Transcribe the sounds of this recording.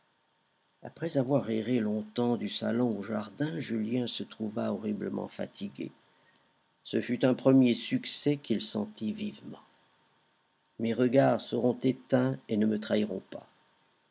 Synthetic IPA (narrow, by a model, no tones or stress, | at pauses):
a̰pχɛzavwaʁeʁelɔ̃t̪ɑ̃d̪ysa̰lɔ̃oʒaʁd̪ɛ̃ʒyljɛ̃sət̪χuvaɔʁibləmɑ̰̃fa̰t̪ʰiɡʲḛ | səfyt̪ɛ̃pχəmjesyksɛkilsɑ̰̃t̪ivivmɑ̰̃ | meʁəɡaʁsəʁɔ̃t̪et̪ɛ̃enəmət̪χaiʁɔ̰̃pa̰